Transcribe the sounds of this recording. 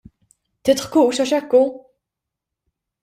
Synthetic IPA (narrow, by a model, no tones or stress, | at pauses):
t̪ɪt̪ħkuuʃɐʃɛkːu